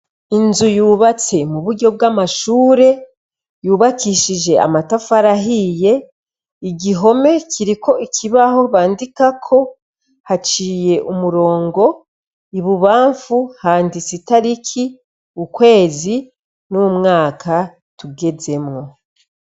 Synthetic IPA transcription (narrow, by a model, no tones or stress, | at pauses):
inzujuːβat͡se̞muβuɾɟo̞b̚ɡamaʃuːɾe̞ | juːβakiʃiʒe̞a̰matafaɾaɦije̞ | iɟiɦo̞me̞cʰiɾiko̞ikʰiβaho̞βaːndikakʰo̞ | hat͡ʃiːje̞ʔumuɾo̞ːŋɡo̞ | iβuβaːɱfuhaːndisitaɾikʰi | ukwe̞ːzi | numŋaːkʰa | tuɡe̞ze̞mŋo̞